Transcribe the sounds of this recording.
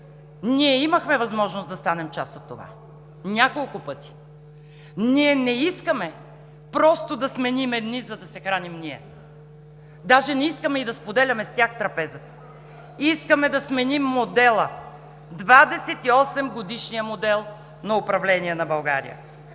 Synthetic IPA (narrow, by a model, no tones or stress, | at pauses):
niɛiməxmɛvɐzmɔʒnosd̪ɐst̪anɛmt͡ʃasot̪ːova̰ | nʲakolˠkʊpɤt̪i̥ | niɛnɛiskəmɛ | pɾɔst̪od̪ɐsmɛnimɛd̪nizɐd̪ɐsɛxɾanimniɛ̰ | d̪aʒɛnɛiskəmɛid̪ɐspod̪ɛlʲɐmɛst̪ʲaxt̪ɾɐpɛzət̪ə̥ | iskəmɛd̪ɐsmɛnimːod̪ɛlˠə | d̪vad̪ɛsɛt̪iɔsɛmɡod̪iʃnijəmod̪ɛlˠ | nɐʊpɾɐvlɛniɛnɐbɐlˠɡa̰ɾḭjə̰